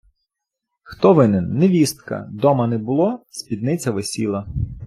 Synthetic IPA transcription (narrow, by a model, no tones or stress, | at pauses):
xt̪ɔʋɪnɪnːeʋʲist̪kɐ̰d̪ɔmɐnɛbʊlˠɔsʲpʲid̪nɪt͡sʲɐʋesʲilˠɐ